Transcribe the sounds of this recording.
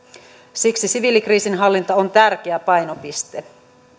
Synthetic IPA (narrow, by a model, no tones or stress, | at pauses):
siksisiʋilikriːsinɦɑlːint̪ɑont̪ærk̟eæpɑjno̞pist̪e